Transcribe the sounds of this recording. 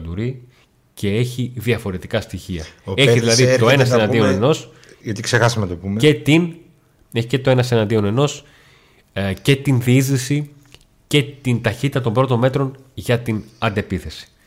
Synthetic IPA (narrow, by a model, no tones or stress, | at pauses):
d̪uɾi | cʰe̞e̞çiðiɐfo̞ɾe̞t̪ikɐst̪içiɐ̰e̞çiðilɐðit̪o̞e̞nɐsenɐnd̪io̞ne̞no̞s | ʝɐt̪iksexɐsɐmet̪opumeet̪in | eçicet̪o̞e̞nɐsenɐnd̪io̞ne̞no̞s | ce̞t̪inðizisi | ce̞t̪int̪ɐçit̪it̪ɐt̪o̞mbɾo̞t̪o̞me̞t̪ɾo̞nʝɐt̪inɐnd̪e̞piθe̞si̥